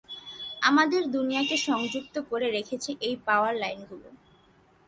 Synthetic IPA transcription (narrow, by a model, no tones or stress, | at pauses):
amad̪eɾd̪unijakeʃɔŋd͡ʑuk̚t̪okoɾeɾekʰet͡ɕʰeʔejpaoaɾlajnɡʱulo̰